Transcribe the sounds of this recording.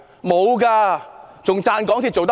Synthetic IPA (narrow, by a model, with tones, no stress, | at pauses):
mo˨˦ɣaː˧˩t͡ɕʊ˨˧˩ŋ͡mt͡ɕaː˧nkɔ˨˦nt̪ʰi˨˩t͡ɕo˨˧˩t̪